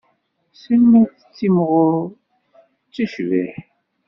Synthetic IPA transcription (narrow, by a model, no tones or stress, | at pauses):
sənːiθə̥t͡sːimʁʊ | t͡sːiʃvḭħ